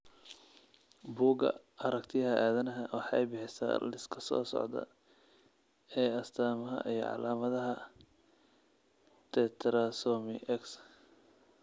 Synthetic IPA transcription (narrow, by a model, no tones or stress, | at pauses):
buːɡɐ̰ | ɐɾɐkt̪ʰɪjɐɦɐʔaːðɐnɐɦɐwɑħɑjbɪħɪsɐ̰lɪskʰɐ̥sɔ̰ːsɔ̰ʕd̪ɐ̰ | ɛːɐst̪ʰaːmɐɦɐ̰ʔijɞ̰ʕɑ̰laːmɐðɐɦɐ | t̪ʰɛt̪ʰɾɐsɔmɪʔɛks